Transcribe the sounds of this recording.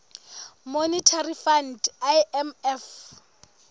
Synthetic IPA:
monitʰarifandajɛmɛf

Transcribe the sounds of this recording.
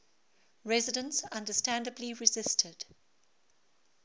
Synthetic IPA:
ɹɛzɪdə̃nsãndəstæ̃ndəbliɹɪzɪstʰəd̥

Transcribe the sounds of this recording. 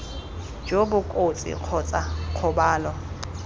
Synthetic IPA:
d͡ʒobʊkʼot͡sʼḭq͡χʰɔt͡sʼaq͡χʰʊbaːlɔ

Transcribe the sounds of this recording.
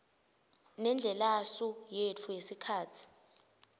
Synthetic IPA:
nɛnd͡ɮʱɛlasujet͡fʰujesikʰaːtʰi̥

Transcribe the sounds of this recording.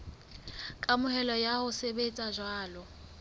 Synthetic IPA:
kʼamʊhɛlɔjahʊsebet͡sʼaʒwaːlɔ

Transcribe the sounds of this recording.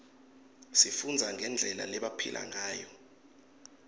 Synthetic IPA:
sifund͡zʱaŋʱɛnd͡ɮʱɛla̰lɛɓapʰilʔa̰ŋaːjɔ

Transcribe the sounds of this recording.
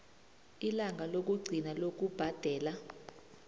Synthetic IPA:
ilaŋʱalok̬uɡ͡ǀʱinalok̬ub̥ʱad̥ʱɛːla

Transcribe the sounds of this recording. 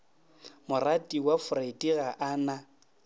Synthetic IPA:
mʊratʼiwafʊraitʼiɣaʔana

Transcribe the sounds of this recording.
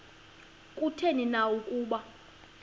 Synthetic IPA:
kʼutʰeninawukʼuːɓa

